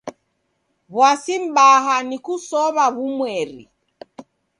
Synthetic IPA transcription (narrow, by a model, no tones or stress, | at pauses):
βwasim̩ɓaɦanikusɔβaβumwɛɾḭ